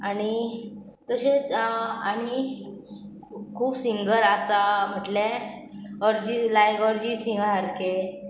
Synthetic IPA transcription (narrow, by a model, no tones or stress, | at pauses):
aɽ̃i | t̪əse | aɽ̃i | kʰuːbsiŋɡəɾasam̤əʈle | ɔɾd͡ʑilajɡɔɾd͡ʑisĩŋɡəɾɦaɾke